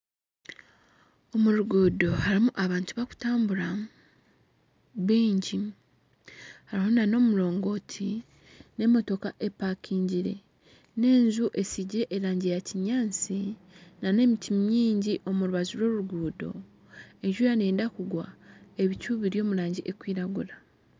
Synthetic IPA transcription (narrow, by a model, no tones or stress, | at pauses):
o̞muɾuɡuːdo̞haɾimuʔaβaːntuβaku̥taːmbuɾa | βiːɲɟi | haɾihunano̞ːmulo̞ːŋɡo̞ːtʰi | ne̞mo̞to̞kaʔe̞paːkʰiːɲɟiɾe̞̰ | ne̞ːɲzuʔe̞siɟiɾe̞ʔeɾaːɲɟijaciɲaːnt͡si | nane̞mitʰimjiːɲɟiʔo̞muɾuβazuɾwo̞ːɾuuɡuːdo̞̰ | e̞ɲʒujane̞ːndakuɡwae̞βicuːβiɾjo̞ːmulaːɲɟiʔe̞kwiːɾaɡuɾa